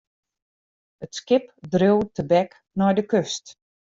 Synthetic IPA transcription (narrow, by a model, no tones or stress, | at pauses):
ətskɪpdrøwtʰəbɛk | nɔjdəkøst